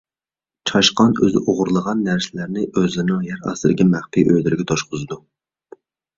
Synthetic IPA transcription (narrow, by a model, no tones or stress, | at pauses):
t͡ʃʰɑʃqɑnø̰zɪʔoʁʊɾlˠəʁɑnːæɾsɪlæɾnɪʔøzɪnɪŋjɛɾɑ̰sɨd̪ɪkʲɛmæχpʰijʔød̪ɪɾɪɡʲɛt̪ʰoʃqʊzɨd̪u